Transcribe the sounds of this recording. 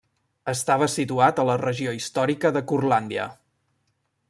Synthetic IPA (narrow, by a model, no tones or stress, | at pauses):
əst̪aβ̞əsit̪uat̪ələrəʒioist̪ɔɾikəðəkurland̪iə̰